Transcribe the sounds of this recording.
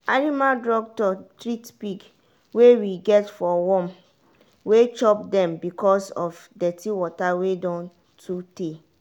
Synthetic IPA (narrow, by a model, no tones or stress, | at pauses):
animaldɹɔk̚tɔtɹitpik | wewiɡɛtfɔwɔ̃m | wet͡ʃɔp̚dɛ̃mbikɔsɔfdɛtiwɔtawedɔ̃n | tʰute